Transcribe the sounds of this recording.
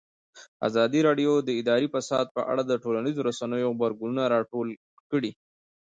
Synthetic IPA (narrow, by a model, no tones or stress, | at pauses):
a̰zɑd̪iɾɑɖijod̪əɪd̪ɑɾifasɑd̪̚pəʔa̰ɽad̪əʈolanizoɾasanəjoɣbaɾɡununaɾɑʈol | kəɽi